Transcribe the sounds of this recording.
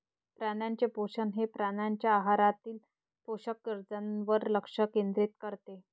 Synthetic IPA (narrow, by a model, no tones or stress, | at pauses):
pɾanjaɲt͡ɕepoɕənɦepɾanjaɲt͡ɕjaːɦaɾat̪iːl | poɕəkːiɾd͡zənʋəɾləkʂəkend̪ɾit̪kəɾt̪e